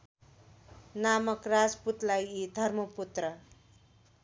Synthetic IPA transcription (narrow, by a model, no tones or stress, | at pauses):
namʌkrad͡zput̪lajid̪ʱʌrmʌput̪rʌ